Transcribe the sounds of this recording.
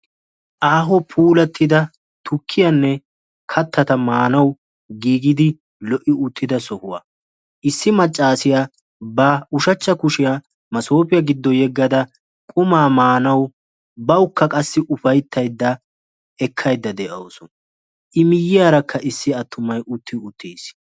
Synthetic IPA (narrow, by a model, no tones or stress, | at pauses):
ʔaːɦɔpʰuːlɐt̪ːɪd̪ɐ | t̪ʰʊkʰːɪjɐnːɛ | kʰɐt̪ʰːɐt̪ɐmaːnɐw | ɡiːɡɪd̪ɪ | lɔʔɪʊt̪ːɪd̪ɐsɔhʊwa̰ː | ʔɪsːɪmɐt͡ʃʼːaːsɪja | bɐʊʃɐt͡ʃːɐkʊʃɪja | mɐso̞ːpɪjɐɡɪd̪ːɔjɛɡːɐd̪ɐ | kʼʊmaːmaːnɐw | bɐwʊkːɐkʼɐsːɪʔʊfɐjt̪ʰːɐjd̪ːɐ | ɛkʰːɐjd̪ːɐd̪ɛʔɐsɔn | ʔɪmɪjːɪjaːɾɐkʰːɐʔɪsːɪɐt̪ːʊmɐjʔʊt̪ʰːɪʊt̪ːeːs